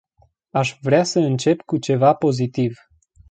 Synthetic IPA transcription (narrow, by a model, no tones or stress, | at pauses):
aʃvɾeasəɨnt͡ʃe̞pkut͡ʃe̞vapo̞zit̪iv